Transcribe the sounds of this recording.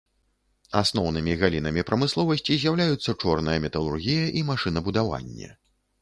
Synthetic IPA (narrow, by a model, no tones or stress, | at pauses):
asnɔwnɨmʲiɣalʲinɐmʲipɾɐmɨslˠɔvɐsʲt͡sʲizʲjawlʲajut̪sːɐt͡ʂɔrnɐjɐmʲɛt̪ɐlˠurɣʲijɐʔimaʂɨnɐbud̪ava̰nʲːɛ̰